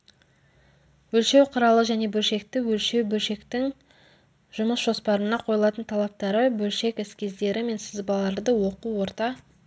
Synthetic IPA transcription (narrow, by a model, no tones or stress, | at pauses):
wɵlʃe̞wqʰəɾɑlˠəʒæne̞bɵlʃe̞k̚t̪ɪwɵlʃe̞wbɵlʃe̞kt̪ɪŋ | ʒ̥ʊməsʒ̥o̞spɑɾənɑqʰo̞jlˠɑt̪ənt̪ʰɑlˠɑp̚t̪ɑɾəbɵlʃe̞kɪskʲe̞zd̪e̞ɾɪme̞nsɪzbɑlˠɑɾd̪əwo̞quwo̞ɾt̪ɑ